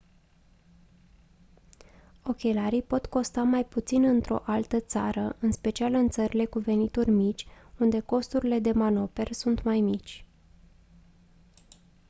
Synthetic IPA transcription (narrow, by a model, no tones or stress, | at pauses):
o̞kʲe̞laɾijpo̞t̪ko̞st̪amajput̪sinɨnt̪ɾo̞̰ʔalt̪ət̪saɾəʔɨnspe̞t͡ʃialɨnt̪səɾile̞kuve̞nit̪urʲmit͡ʃʲund̪e̞ko̞st̪uɾile̞d̪e̞mano̞pe̞rsunt̪majmit͡ʃʲ